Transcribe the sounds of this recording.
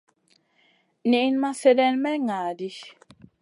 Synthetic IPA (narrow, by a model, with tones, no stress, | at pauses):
ni˨i˨nma˦fe˨dɛ˦nmɛ˦ŋaː˨di˦